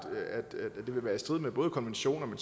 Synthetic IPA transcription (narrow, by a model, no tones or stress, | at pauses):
d̥æd̥d̥e̝ʋe̝ʋæːɐisd̥ʁið̞̰ˠmeb̥ɔ̽ːð̞̩ˠkʰɒ̽nʋenɕo̝̰ːnɒ̽men